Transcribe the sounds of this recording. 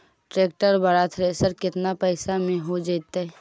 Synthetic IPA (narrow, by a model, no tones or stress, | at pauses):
ʈɾeːk̚ʈəɾbəɾaːt̪ʰɾeːsəɾkɪt̪napɛɪsamẽɦod͡ʒat̪ɛ